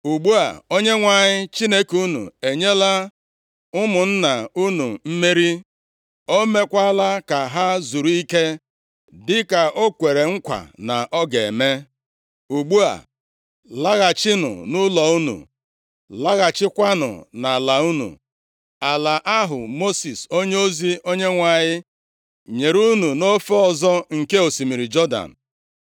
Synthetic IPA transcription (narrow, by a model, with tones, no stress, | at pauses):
u˨ɡ͡bu˦a̰˨o˦ɲe˦ŋʷa˨ɲɪ˦t͡ʃi˦ne˦ku˦nṵ˨e˨ɲe˦la˦ | ʊ˦mʊ˨n̩˦na˨u˦nu˨m̩˦me˦ɾi˦ | o˦me˦kʷa˦la˦ka˨ɦa˦zu˨ɾu˨˦i˦ke˦ | dɪ˦ka˨ʔo˦kʷe˨ɾe˨ŋ̩˦kʷa̰˨na˨ʔɔ˦ɡe˨me˦ | u˨ɡ͡bu˦a̰˨ | la˦ɣa˨t͡ʃɪ˦nʊ̰˨nʊ˦lɔ˨u˦nṵ˨ | la˦ɣa˨t͡ʃɪ˦kʷa˦nʊ̰˨na˨la˨u˦nṵ˨ | a˨la˨ʔa˦ɦʊ˨mo˦si˨so˦ɲe˦o˦zi˦o˦ɲe˦ŋʷa˨ɲɪ˦ | ɲe˨ɾu˦nu˨no˦fe˦ɔ˦˨zɔ˦ŋ̩˨ke˦o˨si˨mi˨ɾi˨d͡ʒɔ˦da̰˨n̩˨